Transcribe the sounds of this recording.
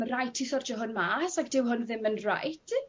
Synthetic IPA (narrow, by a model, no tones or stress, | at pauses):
mərajtʰisɔrd͡ʒɔɦʊnmaːsaɡdɪwɦʊnðɪmənra̰jtʰ